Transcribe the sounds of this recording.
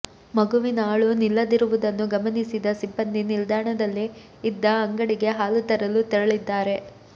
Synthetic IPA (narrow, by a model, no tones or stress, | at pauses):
mɐɡuʋinaːɭunilːɐd̪iɾuʋud̪ɐnːuɡɐmɐnisid̪ɐsibːɐnd̪inild̪aːɳɐd̪ɐlːiː | d̪ːɐɐŋɡɐɽiɡe̞ɦaːlut̪ɐɾɐlut̪ɛɾɐɭid̪ːaːɾe̞